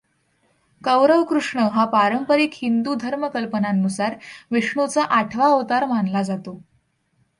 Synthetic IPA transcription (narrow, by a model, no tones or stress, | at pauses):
kəʋɾəʋkɾuʂɳəɦapaɾəmpəɾiːkhind̪uːd̪ʱəɾməkəlpənanːusaɾʋiʂɳut͡saʔaʈʰʋaoʋt̪aɾmanlad͡zat̪o